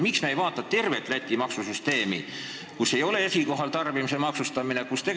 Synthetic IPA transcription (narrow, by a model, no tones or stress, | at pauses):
miksmeejvɑːt̪ːˑɑt̪e̞rve̞t̪ːˑlæt̪ʲːˑimɑksusyst̪e̞ːmi | kusːe̞jo̞le̞esʲiko̞ɦɑlt̪ɑrb̥imisemɑksust̪ɑminekust̪e̞